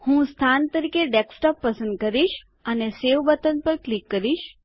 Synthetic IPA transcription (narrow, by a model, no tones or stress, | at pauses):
hũst̪ʰant̪əɾikeɖeksʈɔpːəsə̃nd̪̚kəɾiʃ | əneseʋbət̪ənpəɾklikːəɾiʃ